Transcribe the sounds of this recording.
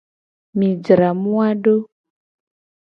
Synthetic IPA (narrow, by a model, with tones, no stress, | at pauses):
mi˨d͡zi˨ɾa˨mu˦wa˦ɗo˦